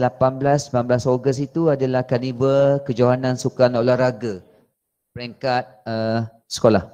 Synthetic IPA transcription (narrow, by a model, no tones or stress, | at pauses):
lapanblasəpanblasoɡəsit̪uadalahkanibəkəd͡ʒaɦanãnsukanolaɾaɡa | pəɾeŋkat̪̚ə | sə̥kolah